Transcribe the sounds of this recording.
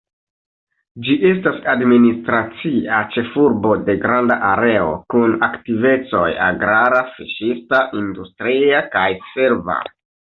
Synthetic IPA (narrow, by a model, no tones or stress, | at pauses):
d͡ʒiʔe̞stasadministɾat͡siat͡ʃe̞fuɾbo̞de̞ɡɾandaʔaɾe̞o̞̰kunaktive̞t͡so̞ja̰ɡɾaɾafiʃistaʔindustɾiakajse̞ɾva̰